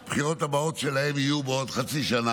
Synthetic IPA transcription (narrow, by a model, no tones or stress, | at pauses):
pχiʁot̪abaot̪ʃelaemijubeod̪χat͡siʃana